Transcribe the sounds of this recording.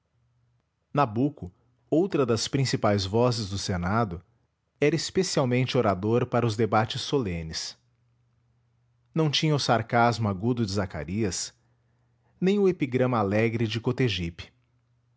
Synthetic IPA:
nabukʊ | owt̪ɾɐd̪ɐspɾĩsipajzvɔzɪzd̪ʊsenad̪ʊ | ɛɾɐespesiawmẽnt͡ʃɪoɾad̪oɾpaɾɐʊzd̪ebat͡ʃɪsːolẽnɪs | nɐ̃w̃t͡ʃĩɲɐʊsaɾkazmʊaɡud̪ʊd͡ʒɪzaka̰ɾiɐs | nẽj̃ʊepiɡɾɐ̃mɐalɛɡɾɪd͡ʒɪkot̪eʒipɪ̥

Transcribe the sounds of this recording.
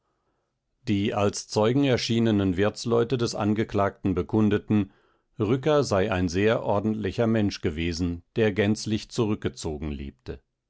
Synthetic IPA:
d̥iːʔalst͡sɔʏɡŋ̩ɛɐʃiːnənənvɪɐt͡slɔʏtədɛsa̰nɡəklaːk̚tn̩bəkʰʊndətn̩ | ʁʏkɐzaɪʔaɪnzeːɐʔɔɐdn̩tlɪçɐmɛnʃɡ̥əveːzn̩d̥eːɐɡɛnt͡slɪçt͡suʁʏk̚ɡ̥ət͡soːɡŋ̩lḭːptə

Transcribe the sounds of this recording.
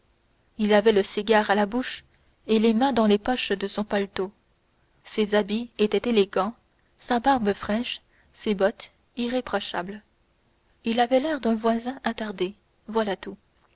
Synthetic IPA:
ilavɛləsiɡaːʁalabuʃ | elemɛ̃d̪ɑ̃lepɔʃd̪əsɔ̃palt̪o | sezabiet̪ɛt̪eleɡɑ̃ | sabaʁbəfχɛʃ | sebɔt̪ | iʁepχɔʃabl | ilavɛlɛʁd̪ɛ̃vwazɛ̃ʔat̪aʁd̪e | vwalat̪u

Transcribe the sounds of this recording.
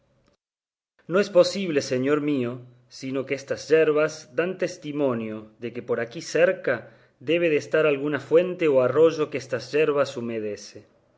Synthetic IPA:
no̞espo̞siβ̞leseɲo̞ɾmio̞ | sino̞keest̪azʒeɾβazd̪ant̪e̞st̪imõ̞njo̞ðekepo̞ɾakiseɾka | ðe̞β̞eðest̪aɾalɣunafwe̞nt̪eoaro̞ʒo̞keest̪azʒeɾβasomeð̞ese

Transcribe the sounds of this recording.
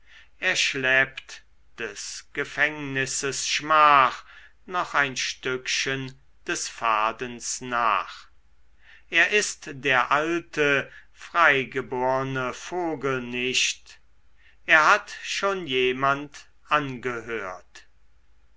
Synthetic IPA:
ʔeːɐʃlɛːpt | d̥ɛsɡ̥əfɛŋnɪsəsʃmaːχ | nɔχaɪnʃtʏkʃən | d̥ɛsfaːdənsna̰ːχ | ʔeːɐʔɪstd̥eːɐʔaltʰəfʁ̥aɪɡəboːʁənəfoːɡəl̩nɪʃt | ʔeːɐhatʃoːnjeːmant | ʔanɡəhøːɐt

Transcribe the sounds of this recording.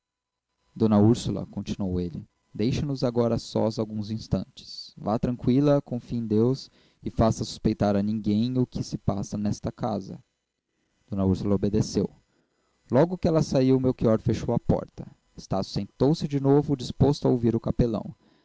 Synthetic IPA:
d̪õnɐuɾsulɐ̰kõnt͡ʃinuowelɪ | d̪ejʃɐnʊzaɡɔɾɐsɔ̰zawɡũzĩst̪ɐ̰̃nt͡ʃɪ̥svat̪ɾɐ̃ŋkwilɐkõfĩd̪ews | ɪfasɐsu̥spejt̪aɾɐnĩɡẽj̃ʊkʰɪsɪpasɐnɛst̪ɐkazɐ̰ | d̪̥õnɐuɾsulɐobed̪esew | lɔɡʊkɪɛlɐsaiwʊmewkiɔɾfeʃowɐpɔ̰ɾt̪ɐ | est̪asʊ̥sẽnt̪owsɪd͡ʒɪnovʊd͡ʒispost̪ʊɐowviɾʊkapelɐ̰̃w̃

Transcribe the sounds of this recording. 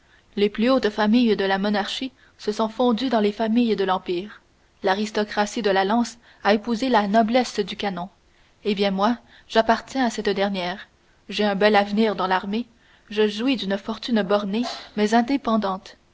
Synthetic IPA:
leplyot̪famijd̪əlamɔnaʁʃi | səsɔ̃fɔ̃d̪yd̪ɑ̃lefamijd̪əlɑ̃piːʁ | laʁist̪ɔkʁasid̪əlalɑ̃s | aepuzelanɔblɛsd̪ykanɔ̃ | ebjɛ̃mwa | ʒ̥apaʁt̪jɛ̃asɛt̪d̪ɛʁnjɛːʁ | ʒeɛ̃bɛlavniːʁd̪ɑ̃laʁme | ʒəʒuwid̪ynfɔʁt̪ynbɔʁnemɛzɛ̃d̪epɑ̃d̪ɑ̃ːt̪

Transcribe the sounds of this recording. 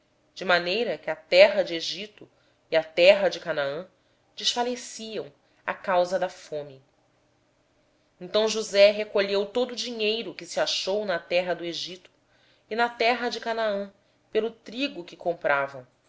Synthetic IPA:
d͡ʒɪmanejɾɐkɪɐt̪ɛɦɐd͡ʒɪeʒit̪ʊ | iɐt̪ɛɦɐd͡ʒɪkanaɐ̃ | d͡ʒɪʃfalesiɐ̃w̃ | a̰kawzɐd̪ɐfõmɪ | ẽnt̪ɐ̃w̃ʒuzɛɦekoʎewt̪od̪ʊːd͡ʒiɲejɾʊkɪsiaʃownɐt̪ɛɦɐd̪ʊeʒit̪ʊ̥ | ɪnɐt̪ɛɦɐd͡ʒɪkanaɐ̃ | pelʊt̪ɾiɡʊkɪkõmpɾʔavɐ̃w̃

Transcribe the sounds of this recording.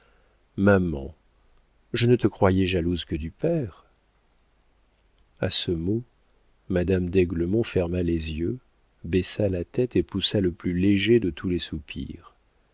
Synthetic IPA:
mamɑ̰̃ | ʒənət̪əkχwajɛʒaluzkəd̪ypɛʁ | a̰səmo | mad̪amd̪ɛɡləmɔ̃fɛʁmalezjø | bɛsalat̪ɛt̪epusaləplyleʒed̪ət̪ʰulɛsupʰḭʁ

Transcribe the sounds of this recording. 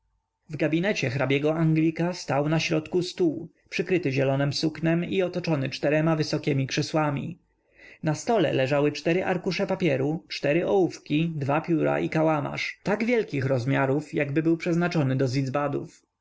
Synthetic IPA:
vɡabʲinɛt͡ɕɛxɾabʲjɛɡɔaŋɡlʲikast̪awnaɕɾɔt̪kust̪uː | pʂɘkɾɘt̪ɘʑɛlɔnɘmsuknɛmiɔt̪ɔt͡ʂɔnɘt͡ʂt̪ɛɾɛmavɘsɔkʲɛmʲikʂɛswamʲḭ | nast̪ɔlɛ̰lɛʐawɘt͡ʂt̪ɛɾɘʔaɾkuʂɛpapʲjɛɾut͡ʂt̪ɛɾɘɔufkʲid̪vapʲjuɾa̰ʔikawama̰ʂt̪aɡvʲjɛlkʲixɾɔzmʲjaɾufjaɡbɘbɘwpʂɛznat͡ʂɔnɘd̪ɔzlʲid̪zbad̪ṵf

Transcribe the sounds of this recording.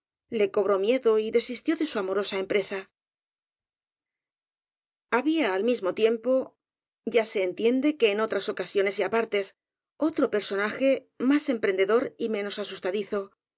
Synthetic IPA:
le̞ko̞β̞ɾo̞mje̞ðo̞iðe̞sist̪jo̞ðe̞suamo̞ɾo̞sae̞mpɾe̞sa | aβiaːlmizmo̞t̪je̞mpo̞ | ɟ͡ʝase̞ːnt̪je̞nd̪e̞ke̞ːno̞t̪ɾaso̞kasjo̞ne̞siapaɾt̪e̞s | o̞t̪ɾo̞pe̞ɾso̞naxe̞ | mase̞mpɾe̞nd̪e̞ðo̞ɾime̞no̞sasust̪aðiθo̞

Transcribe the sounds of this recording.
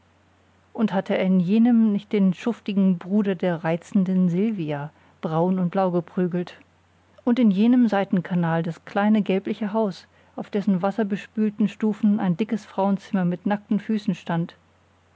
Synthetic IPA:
ʔʊnthatʰəɪnjeːnəmnɪçt̚d̥eːnʃʊftɪɡŋ̩bʁuːdɐdeːɐʁaɪt͡sn̩dənzɪlvia | b̥ʁaʊnʊnt̚b̥laʊɡəpʁ̥yːɡl̩t | ʔʊntɪnjeːnəmzaɪtn̩kʰanaːldaskl̥aɪnəɡɛlplɪçəɦaʊs | ʔaʊfd̥ɛsn̩vasɐbəʃpyːltn̩ʃtuːfn̩aɪndɪkəsfʁ̥aʊənt͡sɪmɐmɪtnak̚tn̩fyːsn̩ʃtant

